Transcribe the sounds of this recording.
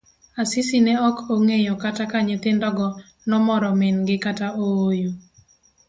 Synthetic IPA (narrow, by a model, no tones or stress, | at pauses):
asɪsinɛɔkoŋejokatakaɲet̪ɪndɔɡɔ | nɔmɔɾɔmɪnɡɪkataoojo